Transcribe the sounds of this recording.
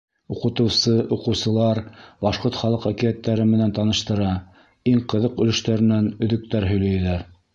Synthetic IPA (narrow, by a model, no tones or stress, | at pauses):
uqɤ̆t̪ɤ̆wsɤʔuqɤ̆wsɤ̆lˠɑɾbɑʃqoɾt̪χɑlˠɤqækiæt̪ːæɾɘmɘ̆nænt̪ɑnɤ̆ʃt̪ɤ̆ɾɑ | iŋqɤ̆ðɤqɵ̆lɵ̆ʃt̪æɾɘ̆nænɵ̆ðɵ̆k̚t̪æɾɦɵ̆jlæjlæɾ